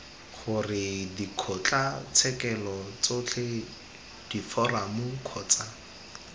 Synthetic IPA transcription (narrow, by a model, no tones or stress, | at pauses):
χʊrɪdikʰɔt͡ɬʼat͡sʰɛkɛlɔt͡sot͡ɬʰe | d̥ifɔramʊkʰɔːt͡sa